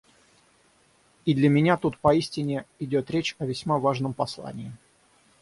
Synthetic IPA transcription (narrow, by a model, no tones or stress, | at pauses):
id̪lʲəmʲɪnʲat̪ut̪pɐisʲtʲɪnʲɪɪdʲot̪ɾʲet͡ɕɐvʲɪsʲmavaʐnəmpɐslˠa̰nʲɪː